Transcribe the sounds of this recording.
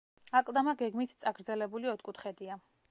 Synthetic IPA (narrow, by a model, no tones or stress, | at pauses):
akʼlˠd̪amaɡɛɡmit̪ʰt̪sʼaɡɾd̪zɛlɛbuliɔt̪ʰkʼut̪ʰχɛd̪ia